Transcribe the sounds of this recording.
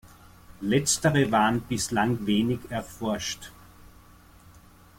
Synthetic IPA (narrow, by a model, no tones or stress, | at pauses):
lɛt͡stəʁəvaːʁənb̥ɪslaŋveːnɪkɛɐfɔɐʃt